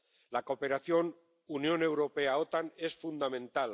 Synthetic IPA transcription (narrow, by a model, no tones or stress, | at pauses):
lako̞pe̞ɾaθjo̞n | unjõ̞ne̞wɾo̞pe̞aot̪ane̞sfund̪amẽ̞nt̪al